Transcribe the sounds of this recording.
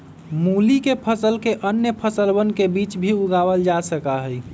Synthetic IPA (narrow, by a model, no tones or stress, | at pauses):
mulikepʰəsəlkeʔənjəpʰəsəlbənkebit͡ʃbʱiuɡawəld͡ʒasəkaɦəj